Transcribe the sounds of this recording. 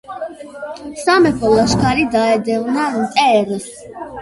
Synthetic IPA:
samɛpʰɔlaʃkʰaɾid̪aɛd̪ɛvnaɾmt̪ʼɛːɾs

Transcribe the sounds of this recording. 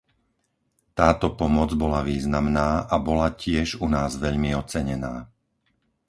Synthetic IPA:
t̪aːt̪ɔpɔmɔd͡zbɔlaʋiːznamnaːʔabɔlacɪɛʒunaːzʋɛʎmiɔt͡sɛɲɛnaː

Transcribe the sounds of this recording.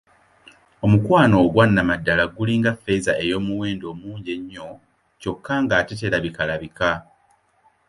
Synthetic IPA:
omukwaːno̞ːɡwanːamadːalaɡuliŋɡafːe̞zaʔe̞jo̞ːmuweːndo̞ːmuːɲɟeɲːo̞ | co̞kʰːaŋɡaːtet̬eɾaβikalaβika

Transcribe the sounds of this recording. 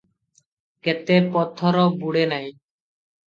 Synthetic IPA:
kɛt̪epɔt̪ʰːɔɾɔbuɽenaj

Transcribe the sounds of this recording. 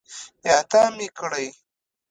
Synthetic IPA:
jaːt̪amikɽaj

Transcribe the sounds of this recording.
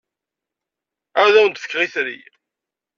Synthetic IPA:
æðæwənt̪θə̥kːʁiθɾḭ

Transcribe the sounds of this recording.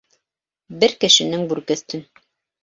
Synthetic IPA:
bɘɾkɘ̆ʃɘ̆nɘŋbʉɾkɵ̆θt̪ɘn

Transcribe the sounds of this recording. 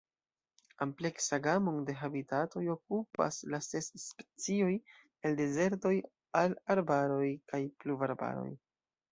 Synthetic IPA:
ample̞ksaɡamoŋde̞ɦabitato̞jo̞k̚upa̰slase̞sːpe̥t͡sio̞j | e̞lde̞ze̞ɾto̞j | alaɾbaɾo̞jkajpluvaɾba̰ɾo̰j

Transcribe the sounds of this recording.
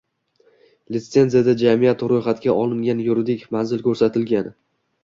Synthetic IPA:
lɪse̞nzijad̪ad͡ʒamijat̪ɾojχat̪ɡʲaʔɒlˠɪŋɡʲanjʊɾd̪ɪkʲmanzɪlkʲʰɵɾsat̪ʰɪlɡʲan

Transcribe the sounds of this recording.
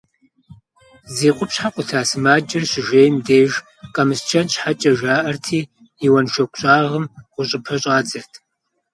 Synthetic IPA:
zeːqʷʼʊpɕħaqʷʼʊtʰaːsɨmaːd͡ʒɪrɕɪʒeːjmdeːʒ | qʼɐmɨst͡ʃʰɐnt͡ʃʼħat͡ʃʼɐʒaːʔɐrtʰiː | iwɐnʃɐkʷɕʼaːʁəmʁʷʊɕʼɪpʰɐɕʼaːd͡zɨrtʰ

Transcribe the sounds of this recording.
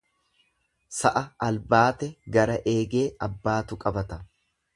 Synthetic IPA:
sɐʔɐʔɐlbaːt̪ɛɡɐɾɐʔe̞ːɡe̞ːʔɐbːaːt̪ʊkʼɐbɐt̪ɐ

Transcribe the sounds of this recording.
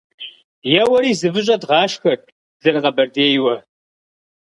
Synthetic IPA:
jɛwɐɾiːzɨvɨʑ̬ʼɐdʁɑːʃxɐrʈʼ | zɐrɨʁɐbɐrdeːjwɐ

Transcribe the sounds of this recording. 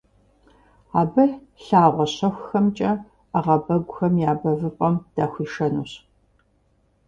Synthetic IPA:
aːbɨɬaːʁʷɔɕɐxʷxɐmt͡ʃʼɐ | aʁɐbɐɡʷʊxɐmjaːbɐvɨpʼɐmd̥aːxʷiːʂɐnṵːɕ

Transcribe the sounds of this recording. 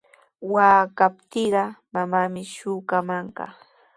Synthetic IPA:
waːkapt̪ɪɢɑmamamɪʃʊːkamaɴɢɑ̰

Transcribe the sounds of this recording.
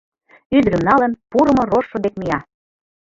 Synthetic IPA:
yd̪ɾə̆mnɑlə̆npuɾɤ̆mŏroʃːŏd̪ek̚mijɑ

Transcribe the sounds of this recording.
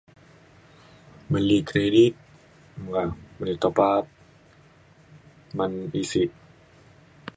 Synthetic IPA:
malːikʰɾedit̪̚ | ŋamanit̪ːapaːp̚ | manisit̪̚

